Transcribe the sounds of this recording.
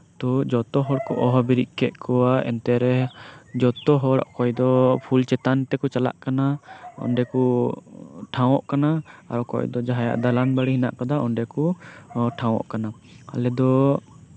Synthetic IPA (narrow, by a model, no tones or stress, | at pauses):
t̪ɔd͡ʒɔt̪ɔɦɔɽkɔʔɔɦɔbiɾiʔ̚kɛʔ̪kɔwaɛ̰nt̪ɛɾɛd͡ʒɔt̪ɔɦɔɽɔɔkɔjd̪ɔpʰult͡ʃɛt̪ant̪ɛkut͡ʃala̰ʔkanaɔ̰nɖɛku | ʈʰãw̃ɔʔkanaaɾɔkɔ̰jd̪ɔd͡ʒaɦaja̰ʔd̪alanbaɽiɦina̰ʔkɔd̪aɔɳɖɛkuʈʰãw̃ɔ̰ʔkana | a̰lɛd̪ɔ